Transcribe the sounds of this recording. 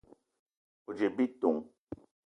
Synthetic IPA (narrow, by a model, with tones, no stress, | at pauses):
o˨d͡ʒe˨bi˦to˨ŋ